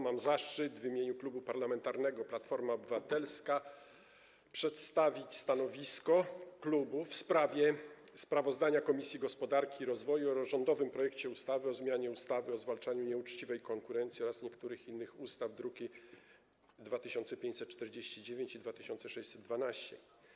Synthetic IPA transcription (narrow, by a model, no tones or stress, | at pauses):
mamzaʂt͡ʂɘt̪vʲimʲjeɲuklubupaɾlamɛnt̪aɾnɛɡɔplat̪fɔɾmaɔbɘvat̪ɛlska | pʂɛt̪st̪avʲit͡ɕst̪anɔvʲiskɔklubufspɾavʲjɛspɾavɔzd̪aɲakɔmʲisʲjiɡɔspɔd̪aɾkʲiːɾɔzvɔjuɔɾɔʐɔnd̪ɔvɘmpɾɔjɛkt͡ɕɛust̪avɘɔzmʲjaɲɛust̪avɘɔzvalt͡ʂaɲuɲɛut͡ʂt͡ɕivɛjkɔŋkuɾɛnt̪sʲiɔɾasɲɛkt̪uɾɘxinːɘxust̪avd̪ɾukʲi | d̪vat̪ɘɕɔnt̪sɛpʲẽɲt͡ɕsɛt̪̚t͡ʂt̪ɛɾd͡ʑeɕt͡ɕid͡ʑevʲjẽɲt͡ɕid̪vat̪ɘɕɔnt̪sɛʂɛɕsɛd̪̚d̪vanaɕt͡ɕɛ